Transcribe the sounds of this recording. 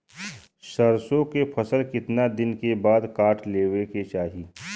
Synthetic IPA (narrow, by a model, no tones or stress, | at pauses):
ʃɐɾsõkepʰɐsəlkɪt̪nad̪ɪnkebaːd̪kaːʈʰleːʋeket͡ʃaːɦiː